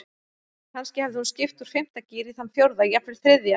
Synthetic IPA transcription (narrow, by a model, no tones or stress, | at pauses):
hanscɪhɛvðɪhunscɪft̪uɾ̥fɪm̥t̪aciːɾiθanθjowɾðaiapvɪɾlθɾɪðja